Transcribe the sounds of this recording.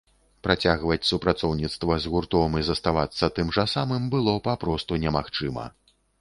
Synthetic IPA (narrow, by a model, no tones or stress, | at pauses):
pɾat͡sʲaɣvɐt͡sʲsupɾat̪sɔwnʲit̪st̪vɐzɣurt̪ɔmɨzɐst̪avat̪sːɐt̪ɨmʐasamɨmbɨlˠɔpapɾɔst̪unʲɛmaxt͡ʂɨmɐ̰